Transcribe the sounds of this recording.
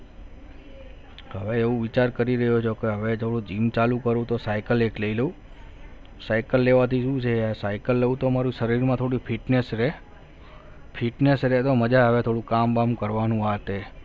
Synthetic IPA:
ɦəʋeeʋũʋit͡ʃaɾkəɾiɾəɦot͡ʃʰokeɦəʋet̪ʰoɽũd͡ʒimt͡ʃalũkəɾũt̪osajkəlekləiləu | sajkəlːeʋat̪ʰiʃũt͡ʃʰeasajkəlːeũt̪omaɾuʃəɾiɾmãt̪ʰoɽifʰiʈnesɾe | fʰiʈnesɾet̪oməd͡ʒaɦəʋet̪ʰoɽũkambamkəɾʋanũat̪e

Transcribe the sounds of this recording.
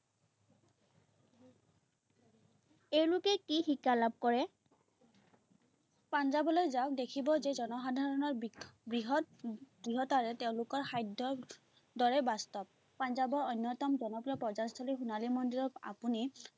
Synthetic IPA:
ewlukɛkixikalab̚kɔɹɛ | panzabɔlojzaʊk̚dekʰibɔzɛzɔnɔxadʱaɹɔnɔɹbɹiɦɔ | b̥ɹiɦɔtaɹɛteʊ̃lʊkɔɹxajdɔ | dɔɹɛbastɔp̚ːanzabɔɹɔjnjɔtɔmzɔnɔpɹiɔpɹɔzast̪ʰɔlixunalimɔndiɹɔka̰puni

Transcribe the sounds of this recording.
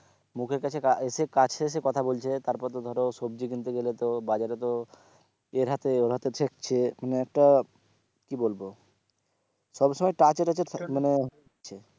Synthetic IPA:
mukʰeɾkat͡ɕʰekaeʃekat͡ɕʰeeʃ̬ekɔt̪ʰabolt͡ɕʰet̪aɾpɔɾt̪od̪ʱɔɾoʃob̚d͡ʑik̬int̪uɡelet̪obad͡ʑaɾet̪o | eɾɦat̪eoɾɦat̪et̪ʰek̚t͡ɕʰemaneɛk̚ʈa | kibolbo | ʃɔbʃɔmɔjʈat͡ɕeɾat͡ɕʰemane | t͡ɕʰe

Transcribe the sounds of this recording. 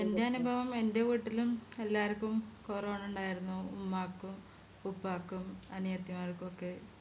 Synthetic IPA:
ende̞ɐnubʱɐʋɐme̞nde̞ʋiːʈːilume̞lːaːɾkːumkoːroɳuɳɖaːjiɾunːuːmːaːkːum | upːaːkːumɐnijɐt̪ːjɐmaːrkuokːe

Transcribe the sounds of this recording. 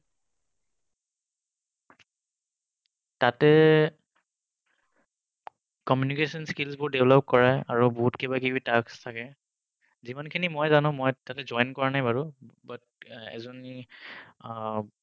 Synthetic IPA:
tatɛ | kɔmjunikesɔnskilsbʊɹdeblɔp̚kɔɹaaɹubɔɦutkebakibitakstʰakɛ | zimankʰinimɔjzanʊ̃mɔjtatɛzɔjnkɔɹanajbaɹʊbat̚ɛ̰zɔni

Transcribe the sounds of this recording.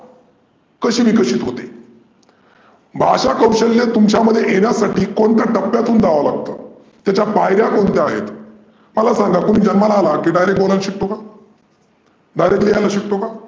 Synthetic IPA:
kəɕiːʋiːkəɕiːt̪ɦot̪e | bʱaɕakəwɕəlːet̪umt͡ɕaməd̪ʱːjeʔeɽjasaʈiːkoɳt̪jaʈəpːjat̪uːnd͡zaʋalaɡ̚t̪ə̰ː | t̪jat͡ɕapajɾjakoɳt̪eaɦḛt̪ | məlasãŋɡakonid͡ʑənmalaːlakiːɖajɾek̚ʈ̚bolãnɕik̚t̪oka | ɖajɾeklijajlaɕik̚t̪oka

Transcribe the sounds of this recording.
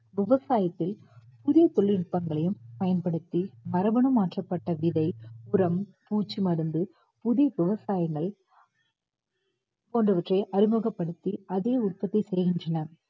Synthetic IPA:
ʋɪʋɐsaːjɐt̪ːɪl | pʊðɪjɐt̪ɔɭːɪɽɯpːɐŋɡɐɭɐjɯmpɐjɐnpɐɽɯt̪ːimɐɾɐbɐɳɐmaːʈrɐpːɐʈːɐʋɪðɐɪʊɾɐmpuːt͡ʃːimɐɾɯnd̪ɯ | pʊðɪjɐʋɪʋɐsaːjɐŋɡɐɭ | poːndrɐʋɐʈrɐɪʔɐɾɪmoɣɐpːɐɽɯt̪ːiɐðeːʊt̚pɐt̪ːɐɪsɛjɣɪndrɐnɐ

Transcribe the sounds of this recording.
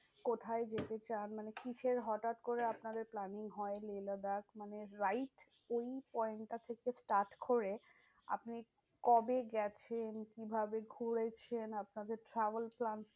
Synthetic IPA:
kot̪ʰaed͡ʑet̪et͡ɕanmanekit͡ɕʰeɾɦɔʈat̪koɾeapnad̪eɾplaniŋɦɔelelad̪akmaneɾajʈ | ojpɔenʈat̪ʰekesʈaɾʈkoɾe | a̰pni | kɔbeɡɛt͡ɕʰenkibʱabeɡʱuɽet͡ɕʰenapnad̪eɾʈɾabəlplans

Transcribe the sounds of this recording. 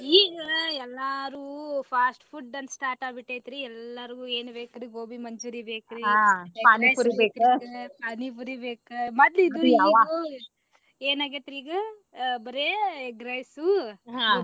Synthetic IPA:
iːɡɐɛlːaɾuːpʰaːsʈpʰuʈːɐnsʈaːɾʈaːbiʈːejt̪ɾiɛlːɐɾiɡueːnubeːkɾiɡoːbimɐɲd͡ʒuːɾibeːkɾiaːpaːnipuɾibeːkupaːnip̬uɾibeːkɨmɐt̪lid̪ujaːʋau | eːnaːɡet̪ːiɾiːɡɐ | bɐɾeɡɾɐjsuɦãː

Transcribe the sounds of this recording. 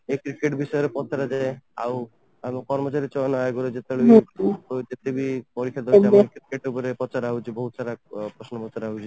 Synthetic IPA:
ekɾikeʈbisɔjɔɾepɔt̪ʰaɾad͡ʒaea̰w | amkɔɾmɔt͡ʃaɾit͡ʃɔnajɡɔɾed͡ʒet̪eɭebiɔt̪et̪ebipɔɾikʰːjad̪ɔd͡ʒamɾkɾikeʈupɔɾepɔt͡ʃaɾaɦut͡ʃʰibɔɦut̪saɾapɾɔsnɔpɔt͡ʃaɾaɦut͡ʃʰi

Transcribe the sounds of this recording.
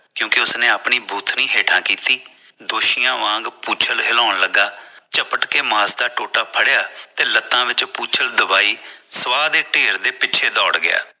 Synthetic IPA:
kjõːkɪʊsnẽːapɳiːbʱuːt̪ʰnĩːɦeːʈʰãːkiːt̪iː | d̪oːʃɪjãːʋãːŋɡpuːt͡ʃʰəlɦɪlɔ̃ːʊnləɡːaːt͡ʃəpəʈkeːmãːsd̪aːʈoːʈaːpʰəɽɪjaːt̪eːlət̪ːãːʋɪt͡ʃpuːt͡ʃʰəld̪ʊbaːiːsəʋaːd̪eːʈeːɾd̪eːpɪt͡ʃʰeːd̪ɔːɽɡɪja̰ː

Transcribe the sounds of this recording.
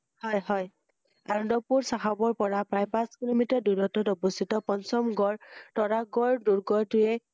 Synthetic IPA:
hɔjɦɔj | aɹɔ̃ndɔpuɹsaɦabɔɹpɔɹapɹajpãskilomitaɹduɾɔtɔtɔbɔsʰitɔpɔnsɔmɡɔɹtɔɹaɡɔɹduɹɡɔɹtʊjɛ

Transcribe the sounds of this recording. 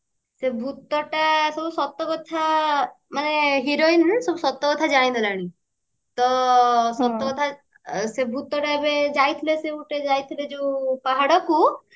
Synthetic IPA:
sebʱut̪ɔʈasɔbusɔt̪ːɔkɔt̪ʰa | maneɦiɾoinsɔbusɔt̪ːɔkɔt̪ʰad͡ʒaɽ̃ĩd̪ʱilaɽ̃i | t̪ɔsɔt̪ːɔkɔt̪ʰa | sebʱut̪ɔʈaebed͡ʒajt̪ʰilesebuʈed͡ʒajt̪ʰiled͡ʒeũpaɦaɽɔku

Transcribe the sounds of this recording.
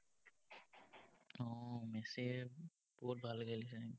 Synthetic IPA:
ɔmɛsi | b̥ɔɦut̪̚bʱalɡalisa

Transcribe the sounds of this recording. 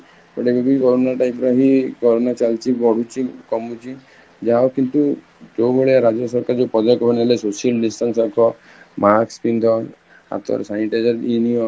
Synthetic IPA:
pɔʈebibikɔɾonaʈajpɾɔɦikɔɾonat͡ʃalt͡ʃʰibɔɽ̤ut͡ʃʰikɔmut͡ʃʰi | d͡ʒaokint̪u | d͡ʒowbeɭeɾad͡ʒɔsɔɾkaɾd͡ʒepɔd̪ɔkɔbɔnelesosiɔlɖisʈɔnsakʰɔ | maɾkspind̪ʱɔɾ | a̰t̪ɔ̰ɾsajɳʈed͡ʒɔɾiniɔ

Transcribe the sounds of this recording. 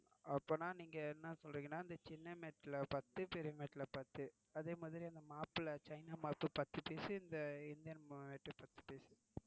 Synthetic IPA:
ɐpːoːnaːniːŋɡɐɛnːɐsɔlɾiːŋɡɐnːaːɪnd̪ɐt͡ʃɪnːɐmeːʈːɪlɐpɐt̪ːɯpɛɾɪjɐmeːʈːɪlɐpɐɾt̪ːɯ | ɐðeːmaːðɐɾiɐnd̪ɐmaːpɯlɐt͡ʃɐɪnaːmaːpːɯpɐt̪ːɯpeːsɯɪnd̪ɐɪnd̪ɪjɐnmeːʈːɯpɐt̪ːɯ̥peːsɯ̥

